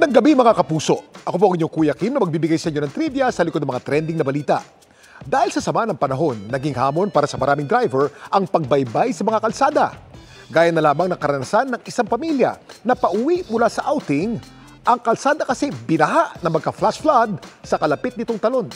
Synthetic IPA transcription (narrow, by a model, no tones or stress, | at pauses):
nɐŋɡɐbimɐŋakɐpuːso̞ʔʔɐko̞p̬oʔɐŋʔɪɲoŋkuːjɐkimnɐmɐɡ̚biːbɪɡajsɐʔɪɲo̞nɐŋt̪ɾibjɐsɐlɪkod̪ɐmɐŋat̪ɾɛnd̪ɪŋnɐbɐliːt̪ɐ̰ʔ | d̪aːhɪlsɐsɐmanɐŋpɐnɐɦo̞nːɐɡɪŋhaːmo̞npaːɾɐsɐmɐɾaːmɪŋd̪ɾajvɛɹʔɐŋpɐɡ̚bɐjbajsɐmɐŋakɐlsaːd̪ɐ̰ | ɡaːjɐnːɐlaːmɐŋnɐŋkɐɾɐnɐsanːɐŋʔɪsaŋpɐmiljɐ̰nɐpɐʔʊwiʔmʊlasɐʔawt̪ɪŋ | ʔɐŋkɐlsaːd̪ɐkɐsɛbɪnɐɦaʔnɐŋmɐɡkɐflasflad̪̚sɐkɐlɐpɪt̪̚nɪt̪oŋt̪ɐlo̞n